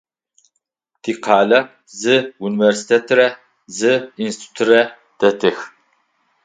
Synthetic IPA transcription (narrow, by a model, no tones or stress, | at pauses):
tʰiːqʰɑːlɐ | zɨuniversi̥t̪ʰet̪ʰɾɐ | zɨinst̪ʰu̥t̪ʰɨrɐ | d̪̥ɐtʰɨx